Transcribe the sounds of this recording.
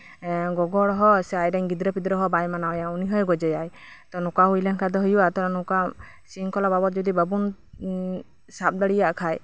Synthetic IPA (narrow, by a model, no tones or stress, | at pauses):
ɡɔɡɔɽɦɔsɛajɖaɲɡid̪ɾəpid̪ɾəɦɔbajmanaɔjauniɦɔjɡɔd͡ʒɔjajt̪ɔnɔkaɦujlɛnkʰad̪ɔɦɔjuʔat̪ɔɾanuka | siŋkɔlababɔt̪̚d͡ʒɔd̪ibəbun | sap̚d̪aɽijaʔkʰaj